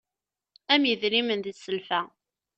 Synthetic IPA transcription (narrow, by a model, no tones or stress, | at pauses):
æmjəðɾimənðəsːəlfæ